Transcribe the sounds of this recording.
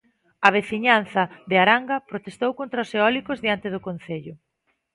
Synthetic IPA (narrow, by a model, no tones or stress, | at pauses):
ɐβ̞eθiɲan̟θɐðeaɾaŋɡɐpɾot̪est̪owkont̪ɾaʊseɔlikozðiant̪ɪðʊkon̟θeʎʊ